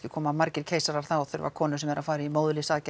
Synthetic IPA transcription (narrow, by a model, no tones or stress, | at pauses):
ɪkʰɔːmamaɾcɪɾ̥cʰeːjsaɾaɾ̥θaɔθʏɾva̰kʰɔːnʏsɛmɛɾafaːjɾɪimoːwðʏlɪsaːcɪ